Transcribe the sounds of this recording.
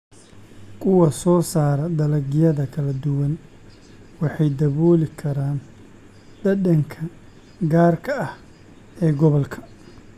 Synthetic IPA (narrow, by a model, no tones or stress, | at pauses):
kʰʊwɐsɔːsaːɾɐd̪ɐlɐɡɪjɐðɐkʰɐlɐd̪ʊwɐn | wɑħɑjd̪ɐβɔːlɪkʰɐɾaːn | ɖ̪̥ɐɖɐŋkʰɐ | ɡaːrkʰɐɐh | ɛːɡɔβɐlkʰɐ̥